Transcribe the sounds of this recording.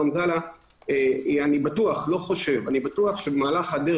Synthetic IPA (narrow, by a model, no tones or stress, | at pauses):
amzala | eanibatuaχlo̞χo̞ʃe̞vanibatuaχʃebemaːlaχade